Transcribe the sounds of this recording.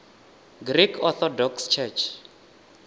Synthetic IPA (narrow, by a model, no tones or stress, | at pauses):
ɡrikʰɔθɔdɔkst͡ʃʰɛt͡ʃʰ